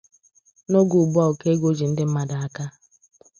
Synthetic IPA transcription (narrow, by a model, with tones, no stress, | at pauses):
no˦ɡu˨bu˦ɔ˦˨o˨ke˦ɡo˦d͡ʒi˨n̩˦dɪ˦m̩˦ma˨da˨a˦ka˦